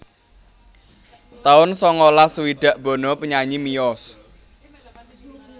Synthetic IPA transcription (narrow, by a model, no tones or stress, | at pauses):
t̪aʊnsɔŋɔlasəwiɖ̥ä̤ʔb̥ɔ̤nɔpəɲaɲimijɔs